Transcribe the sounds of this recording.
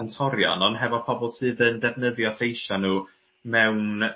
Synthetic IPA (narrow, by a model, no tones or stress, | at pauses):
ntʰɔɾjɔ̰nɔnɦɛvɔpʰɔbɔlˠsɨːðəndɛvnəðjɔθejʃanuː | mɛwn